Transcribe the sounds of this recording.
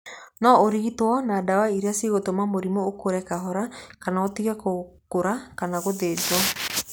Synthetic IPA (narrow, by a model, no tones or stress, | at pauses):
nɔoɾiɣitwɔnadawaiɾeasiɣotomamoɾimookoɾɛkaɦɔɾakanaotiɣɛkokoɾakanaɣoðed͡ʒwɔ